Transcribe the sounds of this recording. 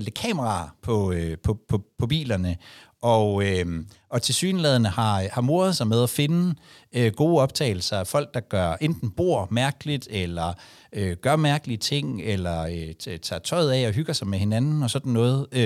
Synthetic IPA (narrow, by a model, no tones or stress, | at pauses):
lekʰɛ̰məʁɑ̰̈pʰɒ̽øpʰɒ̽pʰɒpʰɒ̽bḭːlɐnəʔɒøɒ̽t͡sʰe̝lsy̰ːnlɛð̞ˠɐnəhɑ̈hɑ̈mo̝ɐð̩ˠsɑ̈ɪmeð̞ˠæfe̝nə | øɡ̥o̝ːɒ̽b̥̚t͡sʰɛ̰ːɪl̩sɐæfɒ̽l̰ɡ̥̚d̥ɑ̈ɡ̥ɶɐʔend̥n̩b̥o̝̰ɐ̰mæɐɡ̥əlid̥elɐ | øɡ̥ɶɐmæɐɡ̥əliət͡sʰe̝ŋ̰elɐøt͡sʰɑ̰̈ːt͡sʰɒ̽ɪð̞ˠɛɒ̽ɦyɡ̥ɐsɑ̈ɪmehe̝nænn̩ɒ̽sɒ̽d̥n̩ːɔ̽ːð̞̩ˠ